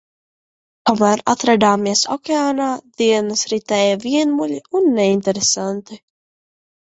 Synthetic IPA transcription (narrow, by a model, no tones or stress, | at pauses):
t̪omæːɾat̪ɾad̪aːmiɛsɔ̰kʲeaːnaːd̪iɛnɐsɾit̪ɛːjaviɛnmulʲiunːɛint̪ɛɾesant̪i